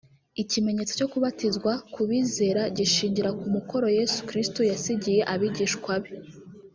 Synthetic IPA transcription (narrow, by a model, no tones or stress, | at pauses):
icime̞ɲe̞t͡so̞co̞kuβatizɡwakuβiːze̞ːɾaɟiʃiːɲɟiɾakumuko̞ɾo̞je̞su̥kɾistojasiɟije̞ʔaβiɟiːʃkwaβe